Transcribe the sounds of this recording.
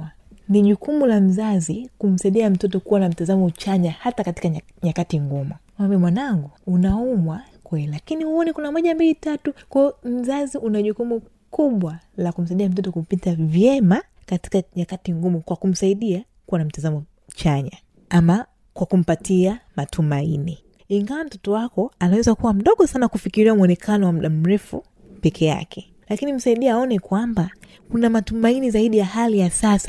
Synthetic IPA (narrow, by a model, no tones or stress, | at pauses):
niʄukumulam̩zazikum̩saiɗiam̩tɔt̬ɔkuwanam̩tazamɔt͡ʃaɲahatakati̥ka | ɲakatiŋɡumuamambiamwanaŋɡuunaumwa | kwɛlilakinihuɔnikunamɔʄambilitatukwɔjɔm̩zaziʔunaʄukumu | kuɓwalakum̩s̬aiɗiam̩t̬ɔtɔkupitavjɛma | kati̥kaɲakatiŋɡumukwakum̩saiɗia | kuwanam̩tazamɔ | t͡ʃaɲa | ama | kwakum̩patiamatʰumaini | iŋɡawam̩tɔtɔwakɔanawɛzakuwam̩ɗɔɠɔsanakufikiɾiamuɔnɛkʰanɔwam̩ɗam̩ɾɛfṵ | pɛkʰɛja̰kʰɛ | lakinim̩saiɗiaaːɔnɛkwamba | kunamatumainizaiɗijahalijasasa